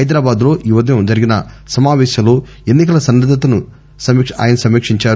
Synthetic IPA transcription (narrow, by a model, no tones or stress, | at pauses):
ɦɐjd̪ɾaːbaːd̪lo̞ːʔuʋɐd̪ɐjɐmd͡ʒɐɾiɡinɐ | sɐmaːʋɛːʃɐmloː | enːik̬ɐlɐsɐnːɐd̪ɐt̪ɐnu | sɐmia̰ːjɐnɐsɐmiːkʂiɲt͡ʃaːɾu